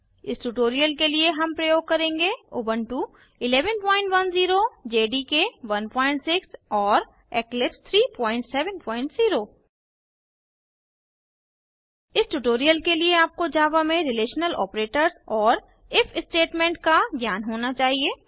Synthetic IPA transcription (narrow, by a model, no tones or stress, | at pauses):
ɪsʈuːʈoːɾijəlkelieɦɐmpɾɐjoːɡ̚kɐɾẽːŋɡeo̰ːbə̃nʈu | ɪlɛːʋənpɔ̃ːɪ̃ɳʈʋɐnziːɾod͡ʒeːɖikeʋɐnpɔ̃ːɪ̃ɳʈsɪksɔːɾ | ɛːklɪpst̪ʰɾiːpɔ̃ːɪ̃ɳʈsɛːʋənpɔ̃ːɪ̃ɳʈziːɾoː | ɪsʈuʈoːɾijəlkelieaːp̚kod͡ʒaːʋamẽɾɪleːʃnəlɔ̰ːpɾeːʈəɾzɔːɾ | ɪfʰɪsʈeːʈmẽːɳʈkaɡʱjaːnɦoːnat͡ʃaːɦieː